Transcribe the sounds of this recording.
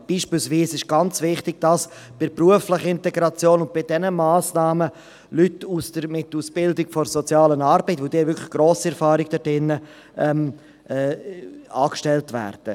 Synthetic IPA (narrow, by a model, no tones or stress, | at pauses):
b̥iːʃpilsviːsɪʃɡ̥ɑnt͡svɪχtɪɡ̚d̥ɑs | b̥ɪɾpruəflɪχɪntɛɡɾɑt͡sjoːnʊnt̚b̥ɪdɛnəmaːsnaːmə | lytusd̥əɾmɪtuːsb̥ɪldɪɡ̥fɔɾsɔt͡sjɑːlənɑɾbɛɪtʋod̥̪iːvʏkʰlɪ̥χɡ̥ɾoːsiɛɾfɑːɾɪɡ̥̚d̥əd̥ɪnːə | ʔɛm | ʔɛːɑːkʃtɛltvɛ̰ːɾd̥ə̰